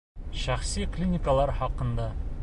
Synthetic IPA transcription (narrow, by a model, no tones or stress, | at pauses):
ʃæχsiklʲinʲɪkəlˠɑɾχɒqɤ̆nd̪ɑ